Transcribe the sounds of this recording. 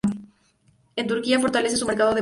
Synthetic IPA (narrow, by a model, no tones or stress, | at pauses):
ent̪uɾkiafo̞ɾt̪alesesume̞ɾkaðoðe